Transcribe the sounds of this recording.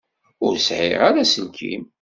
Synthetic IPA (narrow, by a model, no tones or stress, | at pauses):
ʊɾsʕɪ̰ʁaɾasəlkʰḭm